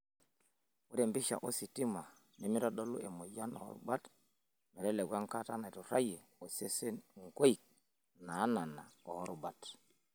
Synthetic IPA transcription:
u˦ɾe˨mbi˦ʃa̰˨ʔo˦si˨ti˦ma˨ | ni˨˦mi˦ɾa˦ɗo˦lṵ˦e˨mo˨ja˦no̰˨hɔ̰˦ɾṵ˦ba˦t | mɛ˨ɾɛ˦le˨ɡwa˦ŋka˦ta˦na˨to˨ɾa˦je˨ | o˨se˦se˦ŋ˨ko˦i˨k̚ | na˨˦na˨na˨o˨hɔ˦ɾu˨ba˦t

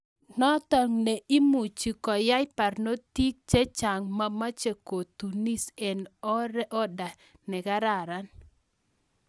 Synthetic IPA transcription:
nɔ˦t̪a˨ŋne˨i˦mu˨t͡ʃi˨kɔ˨ja˦jpa˨rno˦t̪i˦k̚t͡ʃe˦t͡ʃa˨ŋma˦ma˦t͡ʃe˨ko˨t̪u˨ni˦se˨nɔ˦ɾɛ˦ʔɔ˦da˨ | nɛ˨ɡa˦ɾa˨ɾa˦n

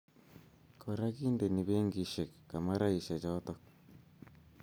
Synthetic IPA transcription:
kʰo˨ɾa˦ki˦nde˨ni˨βe˦ŋɡi˨ʃe˨kːa˨ma˦ɾa˦i˨ʃa˨t͡ʃɔ˦t̪ɔ˦k̚

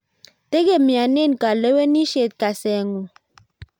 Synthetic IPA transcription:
te˦ɣe˦˨mja˨ne˦˨n˨ka˨le˦we˦ni˦ʃe˨t̚ka˨sɛ˨ŋu˨

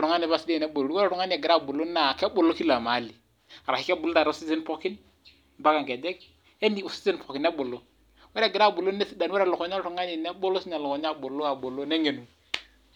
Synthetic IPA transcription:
ɾʊ˨ŋa˦ne˨ba˦si˦de˦˨nɛ˦bo˨ɾo˨ɾu˦wɛ˦ɾɾʊ˨ŋa˦ni˦a˨ɡɪ˨ɾa˦bo˨lo˦na˨kɛ˦bo˨lo˦ki˦la˨ma˨˦li˨ | a˨ɾa˨ki˦kɛ˦bo˨lo˦ta˨ɾʊ˦si˦sɪ˦n˦pɔ˦kɪ˦n | mba˦ka˨ŋkɛ˨dɛ˦k | e˦ni˦o˨sɪ̥˦si˦npɔ˨kɪ˨nɛ˦bo˨lo˦ | wɛ˦ɾɛ˨ɡɪ˨ɾa˦˨bo˨lo˦ne˦si˦da˨nwɛ˦ɾlʊ˨kɔ˨ɲa˦lɾʊ˨˦ŋa˦ni˨nɛ˦bo˦lo˦si˦ɲa˨lʊ˨kɔ˨ɲa˦bo˨lo˦a˨bo˨lo˦ne˦ɲe˨nu˨

